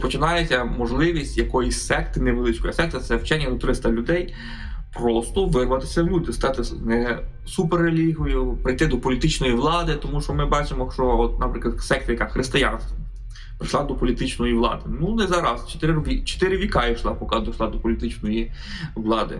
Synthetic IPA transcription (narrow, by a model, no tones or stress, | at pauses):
pɔt͡ʃɪnɑjet͡sʲːɐmɔʒlˠɪʋʲisʲtʲjɐkɔjisʲsɛkt̪ɪneʋelˠɪt͡ʃkɔjɐsɛk̚t̪ɐt̪sɛwt͡ʃɛnʲːɐd̪ɔt̪ɾɪst̪ɐlʲʊd̪ɛj | pɾɔst̪ɔʋɪrʋɐt̪ɪ̥sʲɐwlʲud̪ɪst̪ɑt̪ɪnɛ | supeɾelʲiɦɔjʊpɾɪjt̪ɪd̪ɔpɔlʲit̪ɪt͡ʃnɔjiʋlˠɑd̪ɪt̪ɔmuʃt͡ʃɔmɪbɑt͡ʃɪmɔʃt͡ʃɔɔt̪̚nɐpɾɪklˠɐd̪sɛk̚t̪ɐjɐkaxɾɪst̪ɪjanst̪ɐ | pɾɪʃlˠɑd̪ɔpɔlʲit̪ɪt͡ʃnɔjiʋlˠɑ̰d̪ɪnunɛzɑɾɐst͡ʃe̥t̪ɪɾʋʲit͡ʃe̥t̪ɪɾɪʋʲikɑiʃlˠɑpɔkɑd̪ɔʃlˠɑd̪ɔpɔlʲit̪ɪt͡ʃnɔji | ʋlˠɑd̪ɪ̰